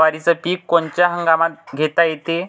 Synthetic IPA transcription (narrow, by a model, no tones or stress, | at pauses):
ʋaɾit͡səpiːkːont͡ɕjaɦəŋɡamat̪̚ɡʱet̪ajet̪e